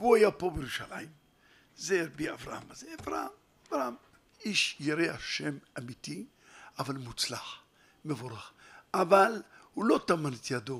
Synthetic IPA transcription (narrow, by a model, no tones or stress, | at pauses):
vuajapo̞bejeɾuʃalʔa̰jim | zeɾbiavɾa̰ha̰mazeavɾa̰ham | avɾaam | iʃjiɾeaʃemamit̪i | avalmut͡slaχ | mevoɾaχʔavalhulo̞t̪amanet̪jad̪o